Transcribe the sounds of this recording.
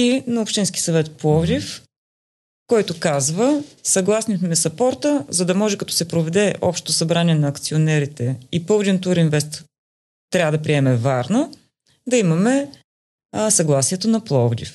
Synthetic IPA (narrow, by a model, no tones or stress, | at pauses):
inɐopʃt̪inski̥sɐvɛt̪plˠɔvd̪if | kɔjt̪okazvəsɐɡlˠasnimɛsɐpɔɾt̪əzɐd̪ɐmɔʒɛkɐt̪ɔ̥sɛpɾovɛd̪ɛʔɔpʃt̪t̪osɐbɾaniɛnɐːkt̪sionɛɾit̪ɛipɤvd̪ɛnt̪uɾinvɛst̪ | t̪ːɾʲavəd̪ɐpɾiɛmɛvaɾnə | d̪ɐimɐmɛ | sɐɡlˠasiɛt̪onɐplˠɔvd̪ʲḭf